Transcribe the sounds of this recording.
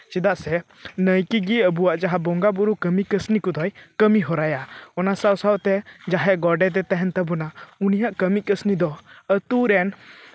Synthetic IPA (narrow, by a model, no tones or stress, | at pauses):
t͡ʃid̪aʔsɛ | nəjkiɡiəbuwaʔd͡ʒaɦabɔŋɡabuɾukəmikəsnikɔd̪ɔjkəmiɦɔɾajaɔnasawsawt̪ɛd͡ʒaɦɛʔɡɔɖɛt̪̬ɛt̪ɛɦɛnt̪abunaunijaʔkəmikəsnid̪ɔət̪uɾɛn